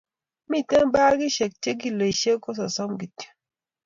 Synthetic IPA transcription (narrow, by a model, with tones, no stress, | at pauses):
mi˦˨te˦ŋbaː˦ɡi˦ʃɛ˨k̚te˦ɡi˦˨le˨ʃe˦kɔ˦s̬ɔ˨sɔ˦mɡi˨ti̥˦